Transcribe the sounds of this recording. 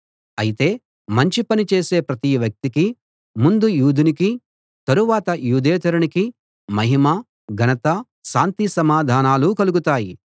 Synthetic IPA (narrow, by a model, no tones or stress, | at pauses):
ɐjit̪e̞ː | mɐɲt͡ʃipɐnit͡ʃe̞ːse̞ːpɾɐt̪iʋjɐk̚t̪iki | mund̪ujuːd̪ʱiniki | t̪ɐɾuʋaːt̪ɐjuːd̪eːt̪ɐɾuniki | mɐɦima | ɡʱɐnɐt̪ɐ | ʃaːnt̪isɐmaːd̪ʱaːnaːlukɐluɡut̪aːji